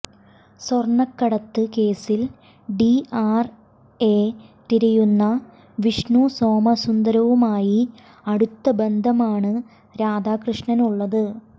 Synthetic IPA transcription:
sorɳɐkːɐɽɐt̪ːɨke̞ːsil | ɖiaːr | eːt̪iɾɐjunːɐ | ʋiʂɳuso̞ːmɐsund̪ɐɾɐʋumaːji | ɐɽut̪ːɐbe̞nd̪ʱɐmaːɳɨ | ɾaːd̪aːkrɨʂɳɐnuɭːɐðɨ

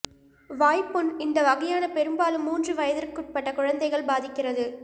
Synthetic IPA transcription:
ʋaːjpːɯnɪnd̪ɐʋɐɣɐjaːnɐpɛɾɯmbaːlɯmːuːndrɯʋɐjɐðɪrkɯʈ̚pɐʈːɐkʊɻɐnd̪ɐɪɣɐɭbaːðɪkːɪrɐðɯ

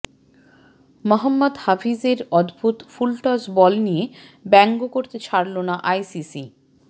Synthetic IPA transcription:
mɔɦamːod̪hafizeɾɔd̪bʱut̪fulʈɔsbɔlnijebɛŋɡokoɾt̪et͡ɕʰaɾlonaʔajsisi

